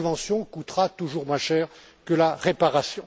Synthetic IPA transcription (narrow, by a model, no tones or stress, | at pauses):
vɑ̃sjɔ̃kut̪χat̪uʒuʁmwɛ̃ʃɛːʁ | kəlaʁepaʁasjɔ̃